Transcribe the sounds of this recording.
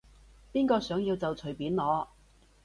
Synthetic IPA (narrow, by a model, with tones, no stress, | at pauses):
piː˥nkɔː˧sœː˨˥ŋjiː˧wt͡sɐ˨wt͡sʰɵ˨˩jpiː˨˥nlɔː˨˧